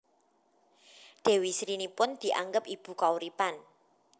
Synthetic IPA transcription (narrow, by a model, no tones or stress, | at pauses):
ɖ̪̥e̤wisɾinipʊnd̪̥i̤ʔa̰ŋɡəpib̥ṳkauɾipan